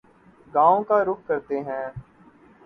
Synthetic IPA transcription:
ɡãːõːkaːɾʊkʰkəɾt̪eːɦɛ̃ː

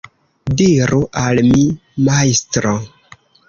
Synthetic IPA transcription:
diɾuʔalmimajstɾo

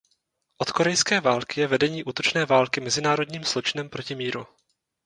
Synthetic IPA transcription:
ʔo̞t̪ko̞ɾɛjskɛːvaːlkɪjɛvɛdɛɲiːʔuːt̪o̞t͡ʃnɛːvaːlkɪmɛzɪnaːɾo̞dɲiːmslo̞t͡ʃɪnɛmpɾo̞cɪmiːɾu

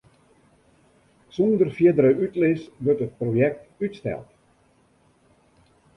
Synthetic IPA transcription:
sɔndərfjiədəɾəʔytlɪsʋørtət̚projɛk̚tytstɛ̰lˠt

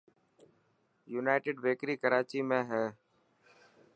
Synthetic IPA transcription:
juːnaːɪʈeːɖʋeːkɾiːkəɾaːt͡ʃiːmẽːɦɛ̃ː

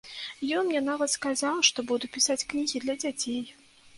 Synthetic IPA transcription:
jɔnjanavɐskazawˠʂt̪ɔbud̪upʲisat͡sʲknʲiɣʲid̪lʲɐd͡zʲat͡sʲej

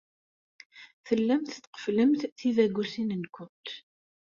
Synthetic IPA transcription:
θəlːæmθt̪ːqə̥fləmθθiðæɡʷːusinənkʷʊnt̪

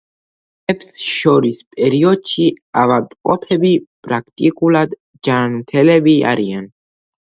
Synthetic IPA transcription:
ɛpsʃɔɾispʼɛɾiɔd̪̚t͡ʃʰiavad̪qʼɔpʰɛbipʼɾakʰt̪ʼikʼulad̪ | d͡ʒanut̪ʰɛlɛbia̰ɾian

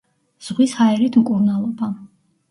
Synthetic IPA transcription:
z̥ʁwishaɛɾit̪ʰmkʼuɾnalˠɔba

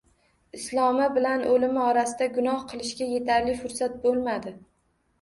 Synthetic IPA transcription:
ɪslˠɒmɪbɪlanʔɵlɪmɪɒɾasɪd̪aɡʊnɒhqʰɨlˠɪʃɡʲaje̞t̪ʰaɾlɪfʊɾsat̪̚bolˠmad̪ɪ

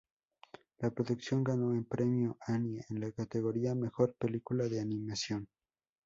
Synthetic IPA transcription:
lapɾo̞ðuksjo̞ŋɡano̞empɾe̞mjo̞ʔanjeenlakat̪e̞ɣo̞ɾiame̞xo̞ɾpe̞likulaðe̞anĩmasjo̞n

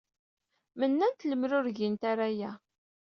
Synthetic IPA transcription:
mənːænt̪ləmɾʊɾʝint̪aɾajæ

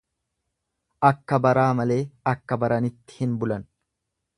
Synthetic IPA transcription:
ʔɐkːɐbɐɾaːmɐle̞ːɐkːɐbɐɾɐnɪt̪ːɪ̥hɪnbʊlɐn

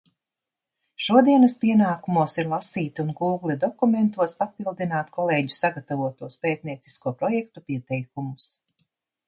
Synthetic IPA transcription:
ʃuɔd̪iɛnɐspiɛnaːkumuɔsiɾlˠasiːt̪unɡuːɡlʲˠid̪ɔkument̪uɔspapilˠd̪inaːt̪kʰɔlˠeːɟu̥saɡat̪avuɔt̪uɔspeːt̪̚niɛt̪si̥skuɔpɾɔjɛk̚t̪upiɛt̪ɛjkumus

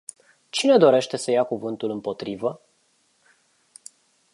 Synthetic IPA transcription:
t͡ʃine̞d̪o̞ɾe̞ʃt̪e̞səjakuvɨnt̪ulɨmpo̞t̪ɾivə

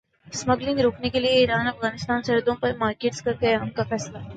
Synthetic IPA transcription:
smɐɡlɪ̃ŋɡɾoːknekelieiːɾaːnɐfɣaːnɪst̪aːnsɐɦəd̪õpɐɾmaːɾkeːʈskɐɾk̪eɦɛʊnkafɛːsla

